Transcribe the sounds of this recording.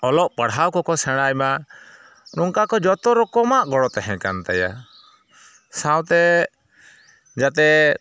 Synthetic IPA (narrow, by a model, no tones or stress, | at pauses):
ɔlɔʔpaɽɦawkɔkɔsɛɽ̃ajma | nɔŋkakɔd͡ʒɔt̪ɔɾɔkɔmaʔɡɔɽɔt̪ɛɦɛ̃kant̪aja̰ | sawt̪ɛ | d͡ʒat̪ɛ